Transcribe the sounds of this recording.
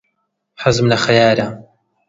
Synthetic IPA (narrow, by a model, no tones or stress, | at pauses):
ħazɨmlɐxɐjaːɾa